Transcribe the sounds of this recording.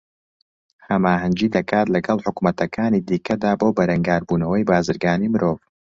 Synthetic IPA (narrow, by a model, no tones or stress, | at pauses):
hɐmaːɦɐnd͡ʒiːd̪ɐkaːt̪lɐɡɐlˠħʊkumɐt̪ʰɐkʰaːniːd̪iːkʰɐd̪aːboːbɐɾɐŋɡaːɾbuːnɐwɐjbaːzɨɾɡaːniːmɨɾʔoːv